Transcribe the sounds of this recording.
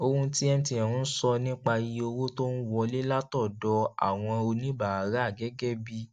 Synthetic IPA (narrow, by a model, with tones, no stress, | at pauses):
o˧kũ˧ti˦ɛ˦m˦ti˧ɛ̃˨ũ˨˦sɔ˧nĩ˦k͡pa˧ji˧o˧wo˦to˦n̩˦wɔ˧le˦la˦tɔ˦˨dɔ˧˦a̰˨w̃ɔ̃˧o˧nĩ˦ba˨a˨ɾa˨˦a˦˨ɡɛ˨˦ɡɛ˦bi˧